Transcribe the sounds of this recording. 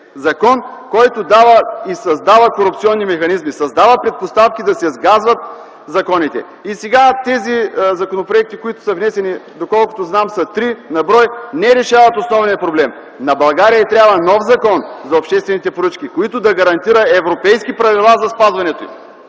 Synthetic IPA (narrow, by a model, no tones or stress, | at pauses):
zɐkɔn | kɔjt̪ʊd̪avəisɐzd̪avəkoɾup̚t̪siɔnːimɛxɐnizmisɐzd̪avəpɾɛt̪̚post̪afkʲid̪ɐsɛzɡazvɐt̪̚ | zɐkɔnit̪ɛ̰ | isɛɡat̪ɛzizɐkonopɾoɛk̚t̪ikoit̪ʊ̥səvnɛsɛnid̪okɔlˠkʊ̥t̪oznamsət̪ɾinɐbɾɔjnɛɾɛʃavɐt̪osnɔvnijɐpɾoblɛm | nɐbɐlˠɡaɾijəɛt̪ɾʲjavɐnɔfzɐkɔnzɐopʃt̪ɛst̪vɛnit̪ɛpoɾət͡ʃkʲikoit̪ʊd̪ɐɡɐɾɐnt̪iɾɐɛvɾopɛjskipɾɐvilˠazɐspazvɐnɛt̪oḭm